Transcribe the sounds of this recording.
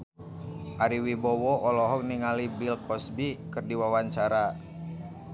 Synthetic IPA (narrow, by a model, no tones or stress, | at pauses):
ʔaɾiwibɔwɔʔɔlɔɦɔk̚niŋalibilkʰɔsbikɨrdiwawaɲt͡ʃaɾa